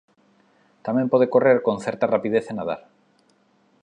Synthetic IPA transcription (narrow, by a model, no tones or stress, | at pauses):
t̪amẽmpoð̞ekoreɾkonθeɾt̪arapiðeθenaða̰ɾ